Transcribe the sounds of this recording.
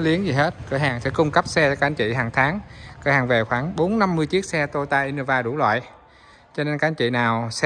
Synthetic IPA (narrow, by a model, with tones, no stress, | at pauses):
li˨˦əŋzi˨˩ɦe˦˥t̚kɨə̰˧˩ɦaː˨˩ŋsɛ̰˧˥kʊ˧ŋ͡mkə˦˥p̚sɛ˧kaː˧˨˧t͡ɕḭ˧˨ɦaː˨˩ŋt̪ʰaː˨˦ŋkɨ˧˦haː˨˩ŋve˨˩xwaː˧˩ŋɓo˨˦nːa˧mːɨ˧əjt͡ɕi˦˥k̚sɛ˧t̪o˧jt̪aː˧ʔi˧no˧vaː˧ɗu˧˩lwa̰ː˧˨j | t͡ɕɔ˧ne˧nkaː˧˥˨t͡ɕḭ˧˨naː˨˩ws